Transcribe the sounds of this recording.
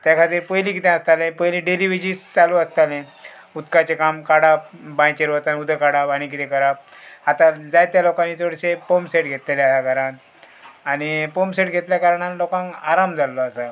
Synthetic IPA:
t̪jakʰat̪iːɾpəjlĩkit̪ɛ̃əst̪alẽpəjlĩɖeliʋid͡ʑiːst͡saluəst̪alẽ | ut̪kat͡ɕekamkaɽap̚bãjt͡ɕeɾʋət͡sanud̪ʱəkaɽapaɽ̃ikit̪ẽkʰəɾap̚at̪ad͡zajt̪jalokãnːit͡səɽɕepomseʈɡʱet̪lleajaɡʱəɾan | añipomseʈɡʱet̪ljakaɾaɳanlokãŋaɾamd͡zalːɔasa

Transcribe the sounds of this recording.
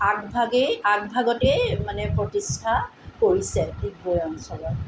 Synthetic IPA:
aɡbʱaɡɛak̚bʱaɡɔtɛmanɛpɹotistʰakoɹisɛdik̚bɔjansɔɹɔt

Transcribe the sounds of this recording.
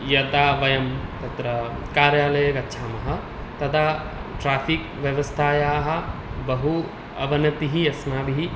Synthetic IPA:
jɐt̪aːʋɐjɐmt̪ɐt̪ɾɐkaːɾjaːlɐjɐkɐtːt͡ʃʰaːmɐɦɐ̆ | t̪ɐd̪a | ʈɾaːpʰikʋjɐʋɐst̪ʰaːjaːɦɐbɐɦu | ɐ̰ʋɐnɐt̪iɦiɐsnaːʋiɦi

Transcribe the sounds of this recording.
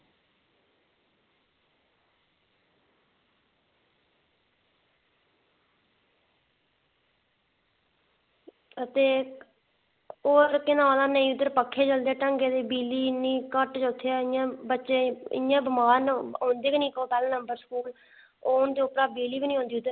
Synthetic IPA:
ət̪eː | oːɾkɪnãːlãːnəĩːʊd̪əɾpəkʰːeːd͡ʒəld̪eaːʈəŋɡeːd̪eːbiːliːnĩːkəʈd͡ʒoːt̪ʰːeːaːɪjãːbətːʃeːɪ̰jãːbəmaːnõːnd̪eːknĩːkoːpɛːlnəmbəɾskuːl | oːʊnd̪eːʊpɾaːbiːliːbiːnĩːɦõːnd̪iːʊd̪əɾ

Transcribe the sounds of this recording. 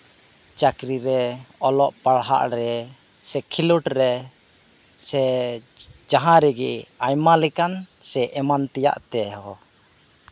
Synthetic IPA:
t͡ʃakɾiɾɛɔlɔʔpaɽɦa̰ʔɾɛ | sɛkʰiluʈɾɛ | sɛ | d͡ʒaɦãɾɛɡɛajmalɛkansɛʔɛmant̪ɛja̰ʔt̪ɛɦɔ

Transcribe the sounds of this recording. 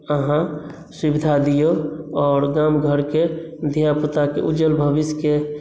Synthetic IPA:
əɦã | sibid̪ʱad̪ijoɔːɾɡamɡʱəɾked̪ʱijapət̪akḛʔud͡ʒəlbʱəbiske

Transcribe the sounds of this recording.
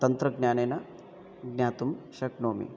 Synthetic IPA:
t̪ɐnt̪ɾəɡnʲjaːnena | ɡnʲjaːt̪umɕɐknoːmḭ

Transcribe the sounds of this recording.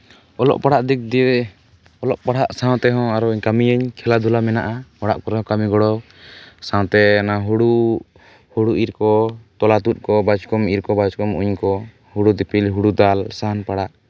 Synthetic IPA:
ɔlɔ̰ʔpaɽaʔd̪ik̚d̪i | ɔlɔʔpaɽaʔsãw̃t̪ɛɦɔ̃aɾɔiɲkamijaɲkʰɛlad̪ʱulamɛnaʔamɔɽa̰ʔkɔɾɛɔ̃kamiɡɔɽɔ | sãw̃t̪ɛanaɦuɽu | huɽuʔiɾkɔt̪ɔlat̪ut̪̚kɔbad͡ʒkɔmiɾkɔbad͡ʒkɔmṵɲkɔ | huɽud̪ipilɦuɽud̪alsanpaɽaʔ

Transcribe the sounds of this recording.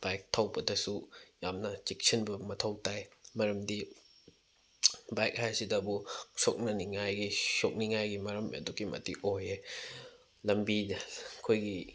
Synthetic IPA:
b̥ajk̚tʰawbɐdɐsujamnɐt͡ʃik̚sinbɐmɐtʰɐwtajmɐɾɐmdi | bajk̚hajsidɐbusok̚nɐniŋajɡisok̚niŋajɡimɐɾɐmɐ̰duɡimɐ̰tiʔoje | lɐmbikʰojɡi

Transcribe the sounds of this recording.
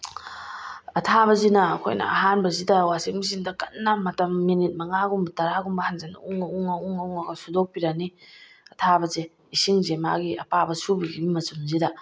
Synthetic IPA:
ɐtʰaβɐzinɐːkʰo̰jnɐ̰ɐ̰ɦanbɐzidɐwasiŋ̚mis̬indɐkɐnːamɐtɐmːinit̚mɐŋaɡumbɐtɐɾaɡumbɐhanzana̰uŋauŋauŋauŋaɡɐsudok̚piɾani | ɐtʰabɐze | isiŋzema̰ɡiɐpabɐsubiɡibimɐsumzidɐ

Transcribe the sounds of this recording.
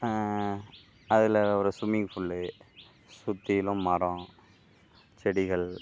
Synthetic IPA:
ɐðɪlɔɾɯsʊmɪŋɡfʊɭːɯ | sʊt̪ːɪjɪlɯ̃mmɐɾɔ̃ː | t͡ʃɛɽɪɣɐɭ

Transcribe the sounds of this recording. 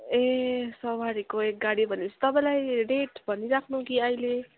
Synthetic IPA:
esʌwaɽikoek̚ɡaɽibʱʌnit͡sʰʌ̥t̪ʌpãĩlajɖeʈbʱʌniɾakʰnukiʌjle

